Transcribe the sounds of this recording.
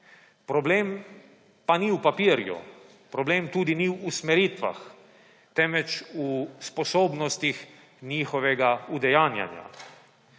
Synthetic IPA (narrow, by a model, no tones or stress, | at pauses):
pɾɔbleːm | paniwpapiːɾjṵ | pɾɔbleːmt̪uːd̪iniwːsmɛɾiːt̪ʋa̰x | t̪ɛmʋɛt͡ʃuspɔsoːbnɔst̪ix | niːxɔʋɛɡaud̪ɛjaːnja̰nja̰